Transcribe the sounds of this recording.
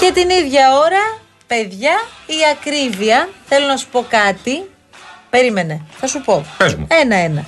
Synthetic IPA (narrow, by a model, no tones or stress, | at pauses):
ce̞t̪iniðʝɐoɾɐ | pe̞ðʝɐiɐkɾiviɐθe̞lo̞nɐsu̥po̞kɐt̪i | pe̞ɾime̞ne̞θɐsupo̞eenɐe̞nɐ